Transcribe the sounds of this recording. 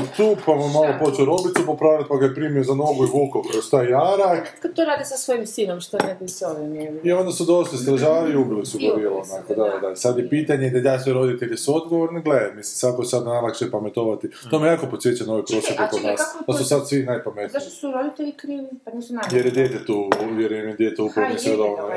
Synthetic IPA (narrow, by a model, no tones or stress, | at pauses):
t̪uːpamomːalˠopo̞t͡ʃeoɾo̞bit̪supopɾaːʋlat̪̚paɡajepɾimiozanoɡuiʋuːkokoost̪ajijaɾakad̪̚t̪oɾaːd̪isasʋojimsiːnomʃt̪onekisoʋineio̞nd̪asud̪o̞ʃlist̪ɾaʒaːɾiiubilisuɡabiːlˠoonakod̪ad̪asad̪jepiːt̪aɲed̪ad̪asʋeɾo̞d̪it̪eʎesuo̞d̪ɡoʋoɾniɡlemislisakosad̪najlakt͡ʃepamet̪oʋat̪it̪omijejaːko̞pot̪sjet͡ɕt͡ʃanoʋepɾo̞set̪ekoɡ̪asp̪asusad̪sʋinajpamet̪nt̪osuɾod̪it̪eʎikɾiːʋianisunajeɾjed̪jeːt̪et̪uːuʋjeɾenojed̪jet̪eupɾonisʋed̪aona